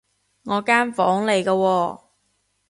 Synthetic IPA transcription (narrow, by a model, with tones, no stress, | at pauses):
ŋɔː˨˧kaː˥nfɔ̰ː˨˥ŋle˨jkɐː˧wɔː˧